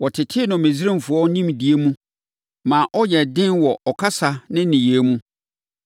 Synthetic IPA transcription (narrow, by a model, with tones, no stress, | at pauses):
wɔ˨tʰɪ˨tʰɪ˦nʊ̃˨mẽ˨zi˦ɾã˦m˨fʊ˨ɔ˦nĩ˦mdi˨e˦mũ˦ | mãː˨ʔɔ˦jɛ˨dɪ̃˦nwɔ˨ʔɔ˨kʰa˦sa˨nɪ̃˦nĩ˨jeː˨˦mũ˦